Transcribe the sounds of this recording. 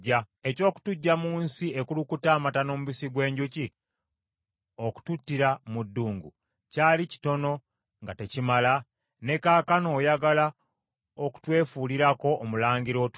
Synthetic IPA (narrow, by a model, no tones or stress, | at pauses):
a | e̞co̞ːku̥tuɟːamuːnsiekulukutaːmatano̞muβisiɡwe̞ːɲɟuci | oku̥tutːiɾamudːuːŋɡṵ | caːlici̥to̞no̞ | ŋɡate̞cimala | ne̞kaːkano̞ːjaɡala | oku̥twe̞ːfuːliɾako̞ʔːmulaːɲɡiɾo̞t